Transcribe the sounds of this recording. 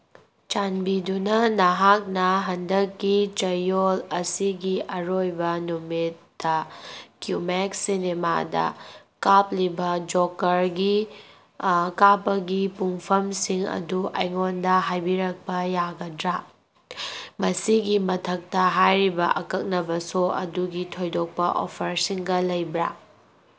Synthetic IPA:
t͡ʃanbidunɐnɐɦak̚nɐɦɐndɐkːit͡ʃɐjolɐsiɡiɐɾojbɐnumitːɐkjumeksinema̰dɐ̰kap̚libɐd͡ʒokːɐɾɡi | kapːɐɡipuŋpʰɐmsiŋɐ̰duʔɐ̰jŋondɐɦajbiɾɐk̚pɐjaɡɐdɾa | mɐsiɡimɐtʰɐk̚tɐɦajɾibɐ̰ʔɐkɐk̚nɐbɐsoɐ̰duɡitʰojdok̚pɐʔo̰pʰɐɾsiŋɡɐlɐjbɾa̰

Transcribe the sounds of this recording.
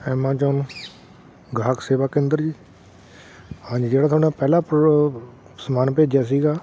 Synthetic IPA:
ɛːmãːt͡ʃɔːn | ɡʱaːkseːʋaːkẽːnd̪əɾd͡ʒiː | hãːɲd͡ʒiːd͡ʒeːɽaːt̪ʰoːnãːpɛːlaːp | səmaːnpeːd͡ʒjaːs̬iːɡaː

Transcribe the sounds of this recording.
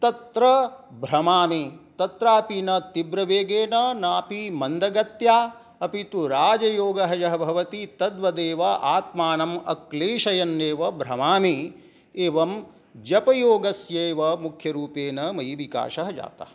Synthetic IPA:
t̪ɐt̪ɾɐbʱɾɐmaːmit̪ɐt̪ɾaːpinɐt̪ibɾɐʋeːɡeːnɐnaːpimɐnd̪ʱɐɡɐt̪jaː | ɐpit̪uɾaːd͡ʒɐjoːɡɐɦɐjɐɦɐbʱɐʋɐt̪it̪ɐd̪ʋɐd̪eːʋɐʔaːt̪̚maːnɐmɐ̰kleːʃɐjɐnːeːʋɐbʱɾɐmaːmi | eːʋɐm | d͡ʒɐpɐjoːɡɐsjeːʋɐmukʰjɐɾuːpeːnɐmɐjʋika̰ːʃɐɦɐd͡ʒa̰ːt̪ɐ̰ɐ

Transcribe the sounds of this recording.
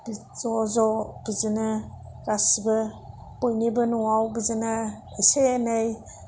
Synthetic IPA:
b | zɔzɔb̥izɯnɯ | ɾasbɯ | pojnibɯnuawbizɯnɯ | isenɯj

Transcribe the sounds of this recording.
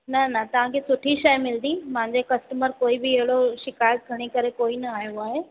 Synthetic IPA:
nɐnɐt̪ɐʋ̤ãkʰeːsʊʈʰiʃɐjmɪld̪ĩmɐ̃ɦɪ̃ɲd͡ʑekɐsʈəməɾkoːibɪːɦɪɽoʃɪkaːjət̪̚ɡʱɐɽ̃ikɐɾekoːinɐaːɦjoaːɦeː

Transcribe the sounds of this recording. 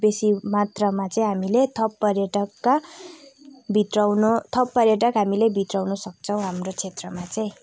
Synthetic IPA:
besimat̪rʌmat͡saĩɦamilet̪ʰʌpːʌrjʌʈʌkːa | bʱit̪rawnot̪ʰʌpːʌrjʌʈ̬ʌkɦamilebʱit̪rawnʌsʌk̚t͡sʰʌw̃ɦamrot͡sʰet̪rʌmat͡saĩ

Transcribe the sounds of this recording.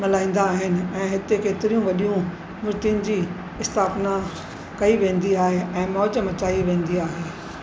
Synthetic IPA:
mɐlaːĩːn̆d̪aːɦɪnɪ̆ɛ̃ːɦɪt̪ekeːt̪ɪɾijũʋɐɗijũ | mʊɾt̪ijʊnɪ̆d͡ʑiː | ɪst̪ʰaːfna | kɐiʋẽːn̆d̪iaːɦeʔɛ̃ːmɔːd͡ʑəmɐt͡ɕaːiʋẽːnd̪iaːɦeː

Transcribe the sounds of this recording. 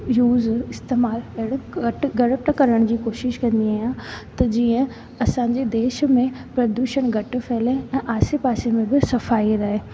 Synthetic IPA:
juːzɪst̪eːmaːlɐɦɪɽɐʈɡɐɽəpʈkɐɾəɽ̃d͡ʑiːkoːʃɪʃkɐ̃nd̪iaːɦijãt̪ɐd͡ʑiːə̃ | ɐsãːɲd͡ʑed̪eːʃmẽpɾɐd̪uːʃəɽ̃ɡʱɐʈ̆feːlẽɛ̃ːʔaːsepaːsemẽbɪsɐfaːiɾɐɦeː

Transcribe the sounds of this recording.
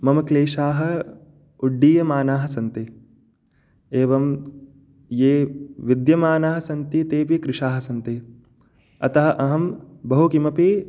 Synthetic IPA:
mɐmɐkleːʃaːɦɐ̆ | uɖːiːjɐmaːnaːɦɐ̆sɐnt̪i | eːʋɐm | jeːʋid̪jɐmaːnaːɦɐsɐnt̪it̪eːpikɾɪʃaːɦɐsɐnt̪i | ɐt̪ɐɦɐʔɐɦɐmbɐɦukimɐpi

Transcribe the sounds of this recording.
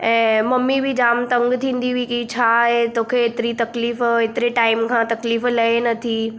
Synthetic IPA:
ɛ̃ːmɐmːibʱid͡ʑaːmt̪ɐ̃ŋɡt̪ʰĩːn̆d̪iʋikit͡ɕʰaɦet̪oːkʰeːt̪ɪɾit̪ɐkliːfet̪ɪɾeʈaːɪmkʰãːt̪ɐkliːflɐenɐt̪ʰi

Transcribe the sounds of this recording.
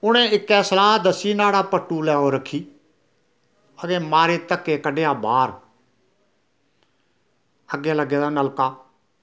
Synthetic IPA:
ʊnẽːɪkːɛːsəlaːd̪əsiːnaːɽaːpəʈːuːlɛːõːɾəkʰːiː | əd̪ẽːmaːɾeːt̪əkːeːkəɖeːaːbaːɾ | əɡːeːləɡːeːd̪aːnəlkaː

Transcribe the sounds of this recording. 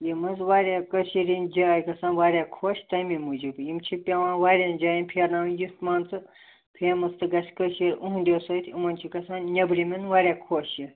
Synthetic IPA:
jimɐzʋaːɾʲakəʃiɾind͡ʒaːjkɐsãːnʋaːɾʲaːkʰoːʃt̪ɐmimud͡ʒibjimt͡ʃʰipʲɐʋãːnʋaːɾʲaːnd͡ʒaːjinʲpʰeɾnaːmnjust̪maːnt͡sɨ | pʰeːmɐst̪ɨɡɐsʲkəʃiɾʲuɦũnd̪ʲesoːt̪ʰimɐnt͡ʃʰikɐsaːnnʲɐbɾiminʋaːɾʲjaːkʰoːʃji

